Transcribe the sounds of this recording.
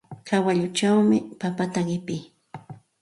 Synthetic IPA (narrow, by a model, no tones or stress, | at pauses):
kʰawaʎʊt͡ʃawmɪpapat̪aɢɪpɪː